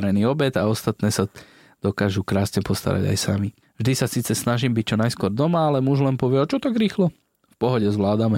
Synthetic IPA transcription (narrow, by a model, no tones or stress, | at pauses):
ɾɛniːɔbɛd̪aɔst̪at̪nɛːsa | d̪̥ɔkaːʒukɾaːsɲɛpɔst̪a̰ɾa̰ɟa̰jsami | vʒd̪isasiːt͡sɛsnaʒiːmbic̚t͡ʃɔnajskwʊɔɾd̪ɔmaalɛmuʒlɛnpɔʋɪɛɔt͡ʃɔt̪aɡɾiːxlɔ | fpɔɦɔɟɛzʋlaːd̪amɛ